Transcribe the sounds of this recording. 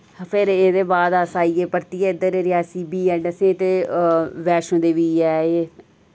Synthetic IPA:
pʰɪɾeːd̪eːbaːd̪asaːiːeːpəɾt̪iːɛːɪd̪əɾeːɾɪjaːsiːbiːɛːɳsẽt̪eːʋɛːʃõːd̪eːʋiːɛːeː

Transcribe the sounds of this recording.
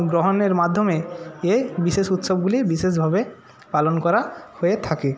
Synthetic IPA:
ɡɾoɦoneɾmad̪ʱːomeebiʃeʃut̪ʃobɡulibiʃeʃbʱabe | palonkɔɾahoet̪ʰake

